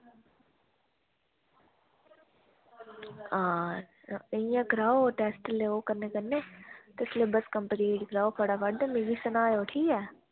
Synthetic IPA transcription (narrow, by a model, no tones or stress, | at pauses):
aː | əjãkɾaːoʈɛːsʈleoːkəɾneːkəɾneːt̪eslebəskəmpəɾiːʈɡɾaːoːpʰəɽaʋəɖd̪əmeːɡiːsənaːjoʈʰiːɛː